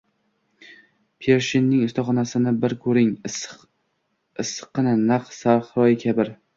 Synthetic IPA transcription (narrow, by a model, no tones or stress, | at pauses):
pʰeɾʃinːɪŋɪst̪ʰɒχɒnasɪnɪbɪɾkʰɵɾɪŋ | ɪsqʰːɨnɪnaqsaɾχɾɒjɪkʲʰabɪɾ